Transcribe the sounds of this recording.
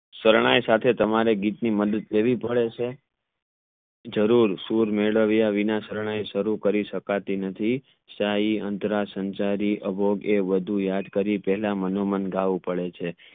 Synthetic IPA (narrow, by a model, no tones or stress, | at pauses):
səɾɳ̃ajsat̪ʰet̪əmaɾeɡit̪niməd̪ət̪leʋipəɭet͡ʃʰe | d͡ʒəɾuɾsuɾmeɭəʋjaʋinãsəɾɳ̃ajʃəɾukəɾiʃəkat̪inət̪ʰi | saiənt̪ɾasənt͡ʃaɾiʔəbʱoɡeʋəd̪ʱujad̪kəɾipɛɦlamənomənɡaʋũpəɭet͡ʃʰe